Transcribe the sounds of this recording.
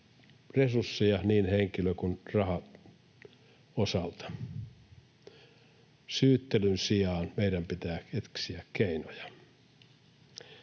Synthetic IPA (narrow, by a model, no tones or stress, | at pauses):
resursːijɑniːnheŋkiløkunrɑhɑ | osɑlt̪ɑ̥ | syːt̪ːelynsiɑːnmeidæmpit̪æːet̪ksiækkeinojɑ̥